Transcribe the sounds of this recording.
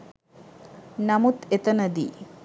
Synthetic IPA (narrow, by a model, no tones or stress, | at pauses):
nɐmut̪et̪ɐnɐd̪ḭ